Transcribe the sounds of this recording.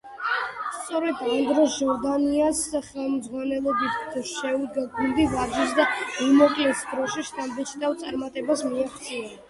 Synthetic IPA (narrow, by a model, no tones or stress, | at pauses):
st̪sʼɔɾɛd̪and̪ɾɔsʒɔɾd̪aniasχɛlˠmd̪zʁwanɛlˠɔbit̪ʰsʃɛud̪ɡaɡuld̪ivad͡ʒ̪isd̪amimɔkʼlɛsd̪ɾɔʃiʃt̪ʰʼambɛt͡ʃʰt̪awt̪sʼaɾmat̪ʼɛbasmiaχt̪sʼia